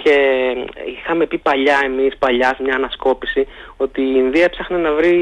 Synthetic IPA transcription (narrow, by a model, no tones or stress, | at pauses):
ce̞ | ixɐme̞pipɐʎɐe̞mispɐʎɐsmɲɐːnɐsko̞pisio̞t̪iːnðiɐpsɐxnenɐvɾi